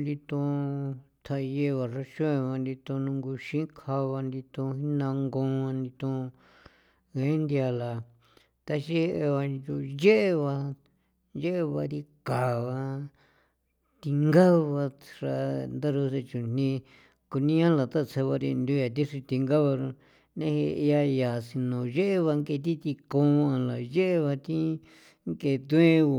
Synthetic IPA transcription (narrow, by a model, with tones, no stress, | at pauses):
nd̪i˧t̪ũ˧ | t̪ʰa˧je˧βa˨ʐa˧ʃõ˦ẽ˧βa˧nd̪i˧t̪õ˧nũ˧ŋɡu˧ʃĩ˦kʰa˧βa˧nd̪i˧t̪ũ˧hi˦nã˧ŋɡõ˧nd̪i˧t̪ũ˧ | ɣe˦nd̪ja˧la˨ | t̪a˧ʃe˦˧ʔe˧βa˧ju˧je˦ʔe˧βa˧ | je˦ʔe˧βa˧ɾi˧ka˨βa˧ | t̪i˧ŋɡa˦˧βa˧ʐa˧nd̪a˦ɾu˧se˧t͡ʃu˨n̥nĩ˧ | ku˧nĩ˦ã˦la˨t̪a˦˧t͡sʰe˧βa˧ɾi˧nd̪u˦ja˨t̪i˦ʂi˧t̪i˧ŋɡa˦βa˧ɾo˧ | nẽ˦he˧a˧ja˨si˧nõ˨je˦ʔe˦βa˧ŋke˧t̪̬i˦t̪i˧kõ˧˦˧a˧la˨je˦ʔe˦˧βa˧t̪ĩ˦ | ŋke˧t̪ũ˦ẽ˦˧